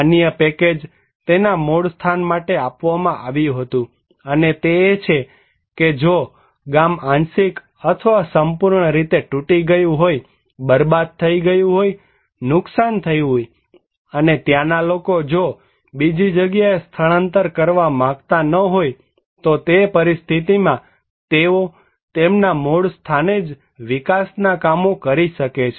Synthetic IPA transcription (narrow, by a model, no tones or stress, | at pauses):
nijəpɛked͡ʒ | t̪enamoɽst̪ʰanmaʈeapʋamãʔaʋjũɦət̪ũ | ənet̪eːt͡ʃʰe | ked͡ʒo | ɡamãnsik | ət̪ʰəʋasəmpuɾɳəɾit̪eʈuʈiɡəjũɦoj | bəɾbad̪̚t̪ʰəiɡəjũɦoj | nʊksant̪ʰəjɦoj | ənet̪janalokod͡ʒo | bid͡ʒid͡ʒəɡjaest̪ʰəɭə̃nt̪əɾkəɾʋamãɡt̪anəɦoj | t̪ot̪epəɾist̪ʰit̪imã | t̪eo | t̪emnamoɽst̪ʰaned͡ʒ | ʋikasnakamokəɾiʃəket͡ʃʰe̥